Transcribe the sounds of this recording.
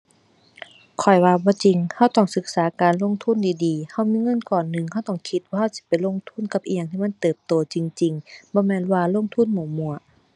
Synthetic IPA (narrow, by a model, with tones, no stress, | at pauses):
kʰɔ˨˩jwaː˧bɔː˧˦t͡ɕi˨ŋha˧˩wt̪ɔ˧˩ŋsɯ˧˦k̚saː˨˦kaː˨nlo˧˥˨ŋt̪ʰu˧˥˨ndiː˨˩diː˨ha˧˩˨wmiː˧˥˨ŋɤ˧˥˨nkɔː˨˩nːɯ˧ŋha˧˩wt̪ɔ˧˩ŋkʰi˧˦t̪̚waː˧ha˧˥˩wsi̥˧˦pa˨jlo˧˥˨ŋt̪ʰu˧˥˨nka˧p̚ʔi˧˨ja˧˨ŋʰiː˧˨ma˧˥˨nt̪ɤː˨˩p̚t̪oː˨˧t͡ɕi˨ŋt͡ɕi˨˩ŋbɔː˧˦mɛː˧˥˨nwaː˧lo˧˥˨ŋt̪ʰu˧˥˨nmɔː˨˧˩mu˧˩ɐ